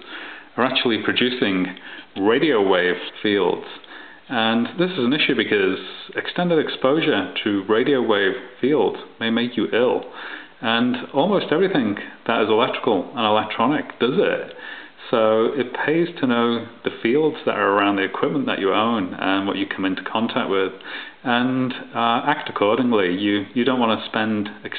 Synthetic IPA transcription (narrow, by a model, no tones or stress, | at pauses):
ə˞ak̚t͡ʃul̩ˠipʰɹ̥ɨd͡ʒʉsɪ̃ŋɹeɪɾioʊweɪv̥filˠdz̥ | ə̃nðɪsɨzə̃n̩ɪʃʉbɨkʰʌz̥ɨkstɛ̃ndɨɾɨkspoʊʒə˞tʰɨɹeɪɾioʊweɪv̥filˠdz̥meɪmeɪkʰjəʔɪlˠ | ə̃nɔlˠmoʊstɛvɹiθɪ̃ŋðəɾɨzəlɛk̚tɹ̥ə̥kəl̩ˠə̃nəlɛk̚tʰɹ̥ɑnɪk̚d̥ʌzɪ̰t | soʊɪt̚pʰeɪz̥tʰənoʊðɨfilˠdz̥ðə̰ɾə˞ə˞ãʊ̃nðiɨkʰw̥ɪp̚mə̃n̩ðə̰t͡ʃəõʊ̃nə̰̃nwʌ̰t͡ʃɨkʰʌ̃mɪ̃ntʰu̥kʰɑ̃ntʰak̚t̚wɪð̥ | ə̃n | ak̚təkʰɔɹɾɪ̃ŋlijɨjɨdõʊ̃nʔwɑ̃nʰəspɛ̃ndɨk